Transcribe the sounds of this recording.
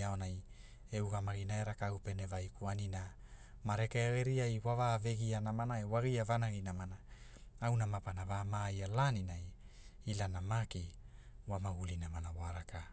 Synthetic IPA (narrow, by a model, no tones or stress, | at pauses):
aonaj | euɡamaɡinaeɾakaupenevajkuanina | maɾekeaɣeɾiajwavaveɡianamanaewaɣiavanaɡinamana | awnamapanavamajalaninaj | ilanamaki | wamaɡulinamanawaɾaka